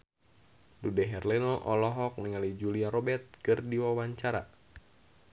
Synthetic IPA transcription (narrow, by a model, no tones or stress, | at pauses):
dudɛɦɛrlɛnoʔɔlɔɦɔk̚niŋalid͡ʒuliaɾɔbɛt̪̚kɨrdiwawaɲt͡ʃaɾa̰